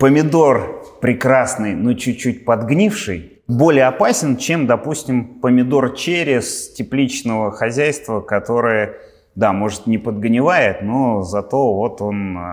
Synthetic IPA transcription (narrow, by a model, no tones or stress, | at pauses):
pəmʲɪd̪o̞rpɾʲɪkɾasnɨjnot͡ɕʉːut̚ʲpɐd̪ɡnʲifʂɨj | bo̞lʲɪjəɐpasʲɪnt͡ɕe̞md̪ɐpusʲtʲɪmpəmʲɪd̪o̞rt͡ɕeɾʲɪstʲɪplʲit͡ɕnəvəxɐzʲæjst̪vəkɐt̪o̞ɾɨjə | d̪amo̞ʐɨt̪nʲɪpəd̪ɡnʲɪvajɪt̪nozɐt̪o̞vo̞t̪o̞n